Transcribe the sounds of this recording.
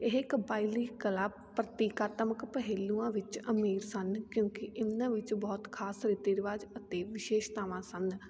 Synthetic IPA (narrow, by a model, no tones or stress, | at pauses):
eɦɪkbaːiliːkəlaː | pɾət̪iːkaːt̪əməkpəɦeːluːãːʋɪt͡ʃəmiːɾsənkjõːkiʔɪnãːʋɪt͡ʃbɔːt̪kʰaːsɾɪt̪eːɾɪʋaːd͡ʒət̪eːʋɪʃeːʃt̪aːʋãːsənd̪